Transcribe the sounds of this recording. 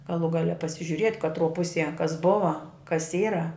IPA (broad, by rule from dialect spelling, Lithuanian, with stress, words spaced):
ɡɐˈlˠuː ˈɡɑːlʲɛ pɐsʲɪʒʲʊˈrʲiɛtʲ kɐtˈruɔ ˈpʊsʲiɛ kɐs ˈbʊʋɐ kɐs ˈiːrɐ